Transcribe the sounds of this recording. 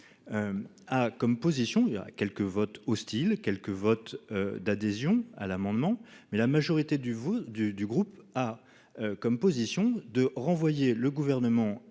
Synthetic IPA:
akɔmpozisjɔ̃ia̰kʲɛlkəvɔt̪ɔst̪ilkʲɛlkəvɔt̪ød̪ad̪ezjɔ̃a̰lamɑ̃d̪mɑ̃mɛlamaʒɔʁit̪ed̪vd̪yd̪yɡʁupa | økɔmpozisjɔ̃d̪əʁɑ̃vwajeləɡuvɛʁnəmɑ̃

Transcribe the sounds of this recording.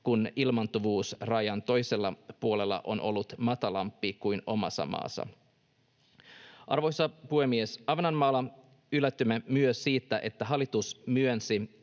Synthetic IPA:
kunilmɑnt̪uʋuːsrɑjɑnt̪o̞jse̞lːɑpuole̞lːɑ̰ʔo̰nʔo̞̰lːut̪mɑt̪ɑlɑmpːikujno̞mɑ̰sːɑ̰mɑ̰ːsːɑ̰ | ʔɑ̰rʋo̞jsɑpuhemːiesɑʋenɑnmɑːlɑ | ylːæt̪ːymːemyøsːiːt̪ːæʔe̞t̪ːæɦɑlːˑit̪usmyønsi

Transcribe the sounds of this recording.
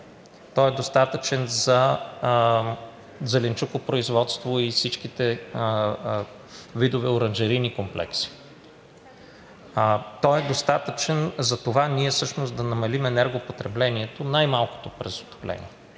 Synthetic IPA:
t̪ɔɛd̪ost̪at̪ət͡ʃɛnzɐ | zɛlɛnt͡ʃukopɾoizvɔt̪st̪voifsit͡ʃk̟it̪ɛ | vid̪ovɛoɾənʒɛɾinikomplɛ̰ksi̥ | t̪ɔɛd̪ost̪at̪ət͡ʃɛnzɐt̪ovaniɛfsɤʃnosd̪ɐnɐmɐlimɛnɛɾɡopot̪ɾɛblɛniɛt̪onajmalˠko̥t̪opɾɛzot̪o̥plɛ̰nʲḭɛ

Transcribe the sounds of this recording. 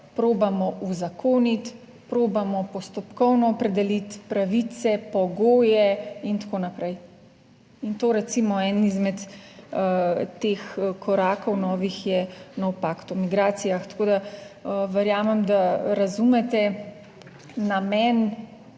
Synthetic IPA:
pɾoːbamɔʔuzakʰoːnit̪ | pɾoːbamɔpɔst̪ɔpkɔwnɔːpɾɛd̪ɛlit̪pɾaʋit̪sɛpɔɡoːjɛint̪akoːnapɾɛj | int̪oːɾɛt̪simɔɛnnizmɛt̪ | eːxkʰɔɾaːkɔwnɔːʋixjɛnɔwpakt̪ɔmiɡɾaːt̪sijaxt̪ḁkoːd̪a | ʋɛɾjaːmɛmd̪aɾazumɛt̪ɛ | namɛn

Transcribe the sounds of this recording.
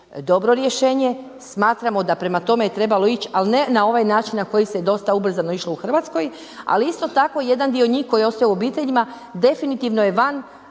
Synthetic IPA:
d̪o̞bɾo̞ɾjeʃe̞ːɲe̞ | smaːt̪ɾamo̞d̪apɾe̞mat̪o̞me̞jet̪ɾe̞balo̞it͡ɕalinenao̞ʋajnaːt͡ʃinnako̞jised̪o̞st̪aubr̩zano̞iʃlˠo̞uxr̩ʋat̪sko̞j | a̰liist̪o̞t̪ako̞je̞d̪and̪ioɲiːxko̞jio̞st̪aouobiːt̪e̞ʎima | d̪e̞finit̪iʋno̞je̞ʋan

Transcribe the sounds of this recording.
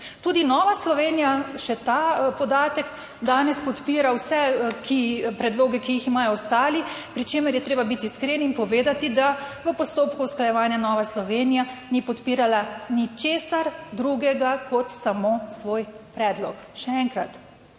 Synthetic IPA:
t̪uːd̪inɔːʋaslɔʋenijaʃɛt̪apɔd̪aːt̪ɛk | d̪aːnɛspɔt̪piːɾawsɛkʰipɾɛd̪loːɡɛkiiximajɔɔst̪aːlipɾit͡ʃeːməɾjɛt̪ɾeːbabit̪iːskɾeːniːnpɔʋeːd̪at̪id̪aʋəpɔst̪oːpkuːsklajɛʋaːnjanɔːʋaslɔʋeːnijanipɔt̪piːɾalanit͡ʃeːsaɾd̪ɾuɡɛɡakʰɔt̪samoːsʋoːjpɾɛːd̪lɔkʃɛɛŋkɾa̰t̪

